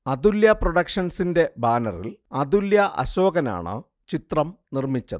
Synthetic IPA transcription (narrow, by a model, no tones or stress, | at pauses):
ɐd̪uljɐproɽɐkʂɐnsinde̞baːnɐrḭlɐd̪uljɐʔɐ̰ɕo̞ːɣɐna̰ːɳɨ̰ | t͡ɕit̪rɐmnirmit͡ɕːɐðɨ